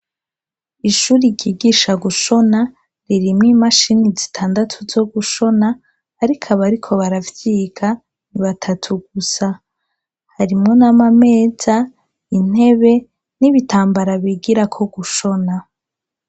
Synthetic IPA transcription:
iʃuɾiɾɟiːɡiːʃaɡuʃo̞na | ɾiɾimŋimaʃinizitʰaːndatʰuzo̞ɡuʃo̞naː | ɾikʰaβaɾikʰo̞βaɾavjiːɡa | niβatʰatʰuɡ̥usa | haɾimŋo̞namame̞ːz̥a | in̥he̞βe̞ | niβitʰaːmbaɾaβiɡiɾakʰo̞ɡuʃo̞na

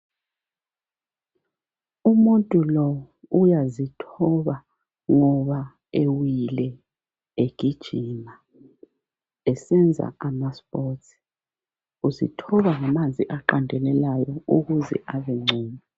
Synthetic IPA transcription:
umuntʼulɔ | ujazitʰɔɓa | ŋɔɓa | ewilɛ | eɡ̥ʱid̥ʒ̥ʱima | ɛsɛnd͡zʱa̰amaspʼoːtʰi̥ | uzḭtʰɔβaŋamand͡zʱiʔaǃandʱɛlɛlajɔṵɣuzɛ̰ʔaɓɛŋ͡ǀʱɛːna

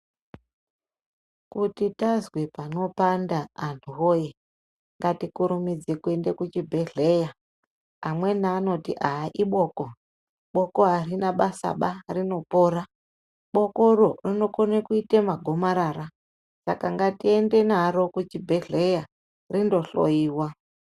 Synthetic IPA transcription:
kutitazwipano̞pandaːn̤uɦoje | ŋɡatikuɾumid͡zekue̞nde̞kut͡ʃibʱe̞ɮejaː | mwe̞naːno̞tḭʔaʔiɓo̞ːko | ɓo̞ko̞ɦarinaɓasa̰ɓarino̞po̞ɾa | ɓo̞kororino̞konekuitemaɡʱo̞maɾara | sa̰kaŋɡatie̞nde̞naro̞kut͡ʃibʱe̞ɮe̞ja | rindo̞ɬo̰jiːwa

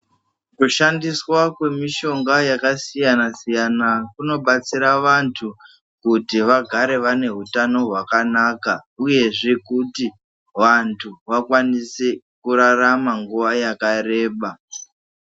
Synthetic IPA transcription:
kuʃandiswakwe̞miʃo̞ŋɡajakasijanasijanakuno̞ɓat͡siɾaʋantʰu | kutiʋaɡʱaɾe̞ʋane̞ɦutano̞ɦwakanakauje̞ʐekuti | ʋantʰuʋakwanise | kuɾaramaŋɡuʋajakaɾe̞ːɓa

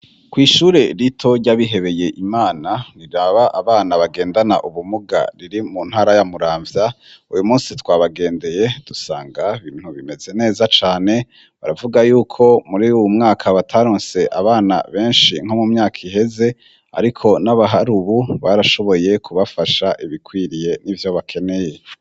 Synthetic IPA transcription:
kwiːʃuːɾe̞ɾitʰo̞ɾɟaːβiɦe̞βe̞je̞ʔimaːnaniɾaβaʔaβaːnaβaɡe̞ːndana̰ʔuβumuɡa̰ɾiɾimun̥haːɾajamuɾaːɱvja | ujumuːnsitwaːβaɡe̞ːnde̞je̞d̥usaːŋɡaβiːn̥huβime̞ze̞ne̞ːzat͡ʃaːne̞ | βa̰ɾavuɡajuːkʰo̞muɾiwumŋaːkʰaβatʰaɾunse̞ʔa̰βaːna̰βe̞ːnʃiŋ̥homumɲaːkʰiɦe̞ze̞ | a̰ɾikʰo̞naβaɦaɾuβuβaɾaʃo̞βo̞je̞kʰuβafaʃaʔiβikʰwiːɾije̞nivjo̞βakʰe̞ne̞je

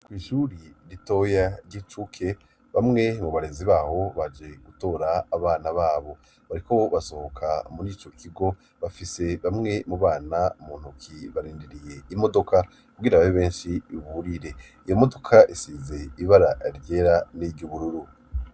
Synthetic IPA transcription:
kwiːʃuɾiɾito̞jaɾɟit͡ʃukʰe̞ | βamŋe̞muβaɾeːnziβaːho̞βad͡ʒe̞ɡ̥uto̞ːɾaːβaːnaβaːβo̞ | βaɾiko̞βaso̞hokʰamuɾiːt͡ʃo̞kiɡo̞ | βafise̞βamŋe̞muβaːnamuːn̥ukʰiβaɾiːndiɾije̞imo̞do̞ka | kuɡiɾaβaβiβe̞ːnʃiːβuɾiɾe̞ | ijo̞mo̞do̞kʰaʔisiːze̞iβaɾaiɾɟe̞ːɾanibɟuβuɾuɾu

